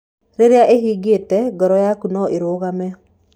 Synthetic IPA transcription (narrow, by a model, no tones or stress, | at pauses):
ɾeɾjaʔeɦiɡetɛɡɔɾɔjakunɔʔeɾoɣamɛ